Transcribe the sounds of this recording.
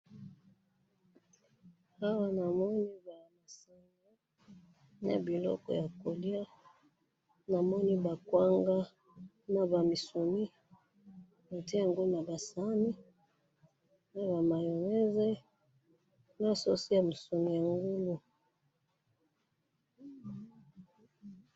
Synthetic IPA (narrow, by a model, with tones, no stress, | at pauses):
ha˦wa˦na˨mɔ˦ni˦ba˨ma˨sa˨ŋŋɡa˦ | na̰˨bi˨lɔ̰˦kɔ̰˨ja˨ko˨li˦a˦ | na˨mɔ˦ni˦ba˨kwa˦ŋɡa˦ | na˨ba˨mi˨so˨mi˦ | na˨te˦ja˨ŋɡo˦lu˦na˨ba˨sa˦mi˦ | na˨βa˨ma˨jɔ˨ŋɛ˦zɛ˦ | na˦so˦si˦ja˨mu˨so˨mi˨ja˨ŋɡu˦lu˨